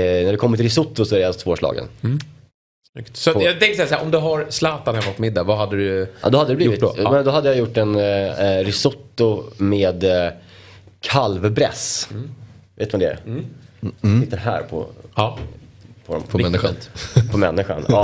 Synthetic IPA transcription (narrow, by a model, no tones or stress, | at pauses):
næɖɛkʰɔmːət̪ɾɪsʊt̪ːʊsɔæɾɛjat̪voːʂlɑ̰ːɡə̰n | smʏkt̪sɔjɑt̪ʰɛŋkəsɛjasɛːɾʔɔmd̪ɵɦaɾslɑːt̪anhɛmːɔt̪mɪd̪ːavaɦad̪ːədɵʔɑ̰d̪ɔhad̪əd̪ɛbliʊvɪmɛnd̪ɔɦad̪ːəjajʊʈːɛnɾɪsʊt̪ːʊmeːd̪ | kʰalvbɾɛ̰s | vḛːt̪mamd̪ɛæ̰ɾ | sɪt̪ːənɦæ̰ːɾpʰɔ̰ | pʰɔɔmpɔmɛnɪpʰɔmɛnːɪɧa̰nɑ